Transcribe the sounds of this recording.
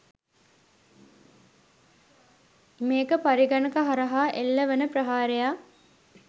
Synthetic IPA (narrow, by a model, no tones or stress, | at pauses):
meːkəpaɾiɡanəkaɦaɾɐɦaːʔelːəʋənəpɾɐɦaːɾejaː